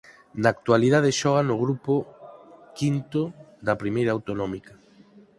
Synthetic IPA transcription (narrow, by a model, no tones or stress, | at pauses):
naːk̚t̪waliðaðeʃɔɣ̞anʊɣɾupo | kint̪oðɐpɾimejɾawt̪onɔ̃mika